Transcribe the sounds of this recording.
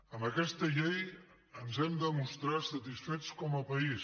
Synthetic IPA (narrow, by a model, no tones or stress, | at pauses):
əməkɛst̪əʎej | ənzɛmd̪əmust̪ɾasət̪isfet͡skɔməpəis